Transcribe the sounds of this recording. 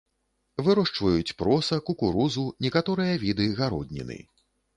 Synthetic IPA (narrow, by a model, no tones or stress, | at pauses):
vɨɾɔʂt͡ʂvɐjut͡sʲpɾɔsɐkukuɾuzunʲɛkat̪ɔɾɨjɐvʲid̪ɨɣaɾɔ̰d̪ʲnʲɛ̰nɨ̰